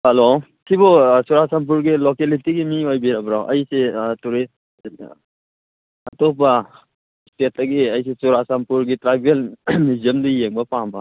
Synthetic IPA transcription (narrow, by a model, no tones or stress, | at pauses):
halo | kʰibɔsuɾasampuɾɡilokelitiɡimiojbiɾabɾawʔɐjsetuɾi | tɔpɐ | stetʰɐɡiɐjs̬esuɾasampuɾɡitɾajbelmizɐmdijeŋbɐpambɐ